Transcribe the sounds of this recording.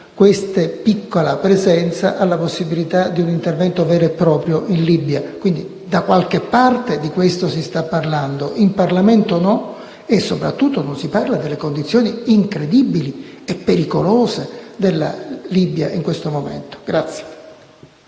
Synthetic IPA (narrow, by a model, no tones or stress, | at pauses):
kwest̪epikːolapɾezɛnt̪sa̰ʔalːaposːibilit̪ad̪iunint̪ervɛnt̪ovɛːɾoepːɾɔːpɾjoʔinlibjakwind̪i | d̪akwalk̟epːart̪ed̪ikwest̪osist̪apːarland̪oʔimparlament̪onɔ | esːopɾa̰t̪ːut̪ːononsiparlad̪elːekond̪it̪sːjoːniiŋkɾed̪ibiliepːeɾikoloːzed̪elːa̰libja̰ʔiŋkwest̪omomḛnt̪o̥ɡ̥ɾat̪sːje̥